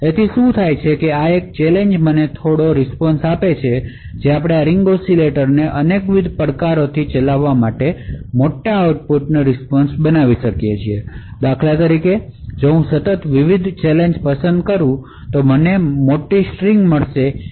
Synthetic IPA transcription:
et̪ʰiʃũt̪ʰajt͡ʃʰekeaek̚t͡ʃɛleɲd͡ʒmənet̪ʰoɽoɾɪspɔnsapet͡ʃʰe | d͡ʒeapɽ̃eaɾiŋɡosileʈəɾneʔənekʋid̪ʱpəɽkaɾot̪ʰit͡ʃəlaʋːamaʈemoʈːaːuʈ̚puʈnəɾɪspɔnsbənaʋiʃəkjet͡ʃʰied̪akʰlat̪əɾiked͡ʒeɦũsət̪ət̪ʋiʋid̪ʱt͡ʃɛleɲd͡ʒpəsənd̪̚kəɾũ | t̪omənemoʈiʃɾiŋɡməɭʃe

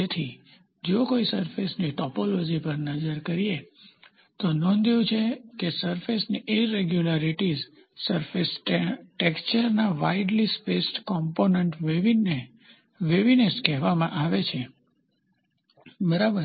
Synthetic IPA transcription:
d͡ʒet̪ʰi | d͡ʒokoisəɾfesniʈɔpolod͡ʒipəɾnəd͡ʒəɾkəɾie | t̪onɔ̃nd̪ʱiũt͡ʃʰekesəɾfesniʔeɾeɡjulaɾiʈiz | səɾfesʈekst͡ʃəɾnaʋaiɖlispeskɔmponeɳʈʋeʋine | ʋeʋineskɛɦʋamãʔaʋet͡ʃʰe | bəɾabəɾ

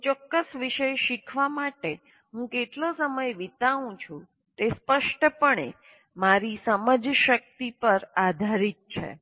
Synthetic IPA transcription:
t͡ʃɔkːəsʋiʃəjʃikʰʋamaʈe | ɦũkeʈlosəməjʋit̪aʋũt͡ʃʰũ | t̪espəʃʈəpəɳḛ | maɾisəməd͡ʒʃək̚t̪ipəɾad̪ʱaɾit̪̚t͡ʃʰḛ

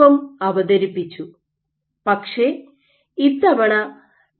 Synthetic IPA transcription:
ɐmɐʋɐd̪ɐɾipːit͡ɕːu | pɐkʂe | it̪ːɐʋɐɳɐ

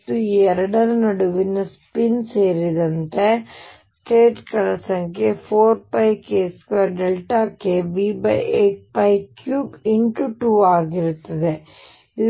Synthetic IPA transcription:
t̪ːuiːɛɾɐɽɐnɐnɐɽuʋinːɐspinseːɾid̪ɐnt̪e | sʈeːʈkɐlɐsɐŋkʰepʰoːɾpɐjkeːskɐɖelʈaːkeʋibɐ̰jeːʈ̚pɐjkjuːbiɳʈuʈuːaːɡiɾut̪ːɐd̪e | i

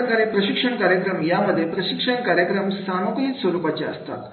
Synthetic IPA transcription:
ɐkɐɾepɾɐʃikʂɐɳkaːɾjɐkɾɐmjaːmɐd̪ʱepɾɐʃikʂɐɳkaːɾjɐkɾɐmsaːmɐkit̪sʋɐɾuːpɐt͡ʃa̰ːst̪a̰ːt̪

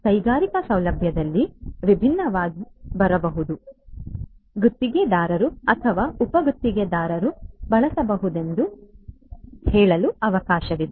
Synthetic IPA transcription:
kɐjɡaːɾikɐsɐwlɐbʱjɐd̪ɐlːiʋibʱinːɐʋaːɡibɐɾɐbɐɦud̪u | ɡut̪ːiɡe̞d̪aːɾɐɾuɐt̪ʰɐʋaːupɐɡut̪ːiɡed̪aːɾɐɾubɐɭɐsɐbɐɦud̪e̞nd̪u | hɛːɭɐluɐʋɐkaːʃɐʋid̪e

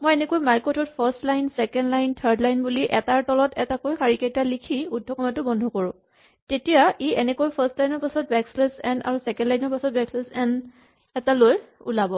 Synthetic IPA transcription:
mojɛnɛkojmaɹkɔtɔtpʰastlajnsɛkɛndlajntʰəɹdlajnbuliʔɛtaɹtɔlɔtɛtakojxaɹikajtalikʰiudʱɔkɔmatʊbɔndʱɔkɔɹʊ̃ | tetijaʔeɛnɛkojpʰastlajnɔɹpasɔt̚bɛkslesɛna̰ɹusɛkɛ̃ndlajnɔɹpasɔt̚bɛkslɛsɛn | ɛtalojṵlabɔ

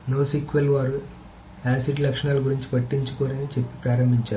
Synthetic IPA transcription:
noːsikʋelʋaːɾu | aːsiɖlɐkʂɐɳaːluɡuɾiɲt͡ʃi̥pɐʈːiɲt͡ʃu̥koːnɐnit͡ʃe̞pːi̥pɾaːɾɐmbʱiɲt͡ʃaːɾu

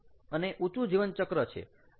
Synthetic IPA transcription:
əneʔut͡ʃud͡ʒiʋənt͡ʃəkɾət͡ʃʰḛ

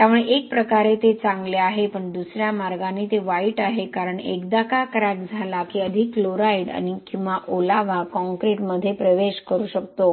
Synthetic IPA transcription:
t̪jamuɭeʔek̚pɾəkaɾet̪et͡sãŋɡleaɦepəɳd̪usɾjamaɾɡãnit̪eʋaiːʈaɦekaɾəɳḛkd̪akakəɾak̚d͡zʱalakiəd̪ʱikːloɾaiɽa̰nikĩw̃ʋaʔolaʋakɔ̃ŋkɾeʈməd̪ʱːjepɾəʋeɕkəɾuːɕəkt̪o

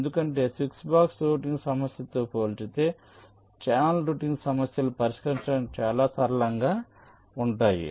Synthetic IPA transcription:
end̪ukɐɳʈe̞ːsiksbaːksɾuːʈ̬iŋɡsɐmɐsjɐt̪oːpoːlt͡ʃit̪e̞ː | t͡ʃaːnɐlɾuːʈiŋɡsɐmɐsjɐlupɐɾiʂkɐɾiɲt͡ʃɐɽɐmt͡ʃaːlaːsɐɾɐlɐŋɡaː | uɳʈaːjḭ

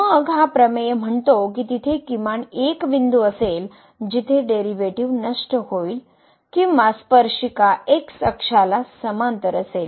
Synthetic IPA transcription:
məɡɦapɾəmejm̤əɳt̪ok̬it̪it̪ʰekimaɳekʋind̪uəsel | d͡ʑit̪ʰeɖeɾiʋeʈiʋnəʂʈəhoil | kiaspəɾʂikaʔeksəkʂalasəmant̪əɾəsel

